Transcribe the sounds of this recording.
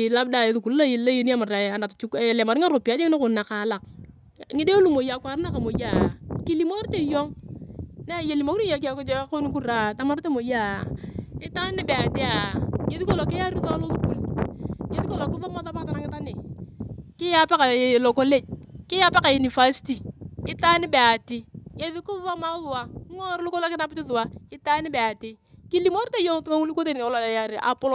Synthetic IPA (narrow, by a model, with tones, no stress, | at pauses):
la˦b̚da˦˨e˨˦ðu˨ku˨lːa˦je˨la˦jo˦ni˦a˦ma˨ɾa˨a˨na˨tt͡ʃu˦ka˨le˨ma˨ɾɪ˦ŋa˦ɾo˨pi˨a˨˦d͡ʒe˦ŋɪ˦o˦kʊ˨na˨ka˨˦la˨k | ŋɪ˦de˦lu˦˨mo˨ja˨kwa˨ɾna˦ka˨mo˨ja˦˨kɪ˦li˦mo˦ɾte˦jɔ˦ŋ | na˦je˨li˨mo˦ki˦i˦jo˨˦k̬a˨ko˦t͡ʃko˦ni˦k̬u˦ɾa˨ta˦ma˦ɾte˦mo˨ja˦˨ | ɪ˦ta˦nɪ˦be˨a˨te˦a˨ŋe˨ði˦ko˦˨lo˨kɪ˦ja˦ɾi˦ðɔ˦lo˦ðu˦ku˨lke˦ði˦ko˦lo˨kɪ˦ðɔ˦ma˨˦ða˦pa˦ta˨na˦ŋɪ˦ta˦nɪ˨ | kɪ˦ja˦pe˦ka˨lo˨ko˦le˦d͡ʒ̚kɪ˦ja˦pe˦ka˨ju˨ni˨fa˦si̥˦ti˨ɪ˦ta˦nɪ˦be˨a˨tɪ˦ke˦ði˦kʊ˦ðo˦ma˦ðʊ˨wa˦ŋo˦ɾlʊ˦ko˦lo˦kɪ˦na˦pɪ˦tɪ˦ðʊ˨wa˦ɪ˦ta˦nɪ˦bɛ˨a˨tɪ˦ki˦li˦mo˦ɾte˦jo˦ŋ˦tu˦ŋa˦ŋu˦lu˦ko˦te˨n˨o˨la˨a˨ja˦ɾʔa̰˨po˦lo˨